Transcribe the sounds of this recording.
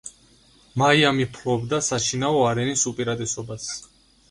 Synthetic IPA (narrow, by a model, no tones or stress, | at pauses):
maiamipʰlɔbd̪asaʃinaɔaɾɛnisupʼiɾad̪ʼɛsɔbas